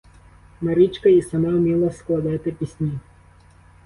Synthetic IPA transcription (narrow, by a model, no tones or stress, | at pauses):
mɐɾit͡ʃkɐisɐmɑwmʲilˠɐsklˠɐd̪ɪt̪ɪpʲisʲnʲi